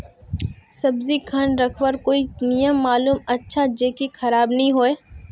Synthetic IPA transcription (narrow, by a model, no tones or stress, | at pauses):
sɐbzikʰɐnɾɐkʰwəɾkoːinijəmːaːluːmɐtːʃʰad͡ʒeːkixɐɾaːbnɐɦĩɦoːeː